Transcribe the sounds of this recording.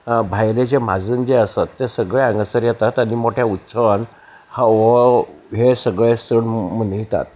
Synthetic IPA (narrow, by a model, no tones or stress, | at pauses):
bʱajled͡ʑemad͡zəːnd͡ʑeəsət̪ːesəɡɭeãŋɡəsəɾjɛt̪at̪aɽ̃imoʈʰjaut̪ːsəʋən | haʋəɦesəɡɭesəɳmənijt̪a̰t̪̚